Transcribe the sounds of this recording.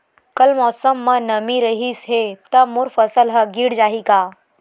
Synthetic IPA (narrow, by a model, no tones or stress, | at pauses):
kɐlmɔːsəmːɐnɐmiɾəɦisɦet̪ɐmuɾfɐsəlɦɐɡiːɽd͡ʒaːɦikaː